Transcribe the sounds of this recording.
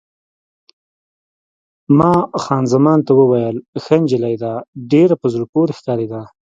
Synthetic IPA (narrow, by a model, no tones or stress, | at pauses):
mɑxɑnzamɑnt̪awəwajəlxənd͡ʒɪlajd̪aɖeɾapəzuɾpoɾexkɑɾed̪a